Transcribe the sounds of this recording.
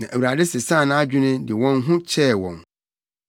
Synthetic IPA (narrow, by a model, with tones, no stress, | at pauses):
nã˨ʔæ˨wu˨ɾa˨dɛ˦sɪ˨sãː˦˨nã˦a˦d͡ʑᶣʊ˦nʊ̃˦dɪ˨wɔ̃˦nɦʊ̃˦t͡ɕʰɛ˦˨wɔ̃˨n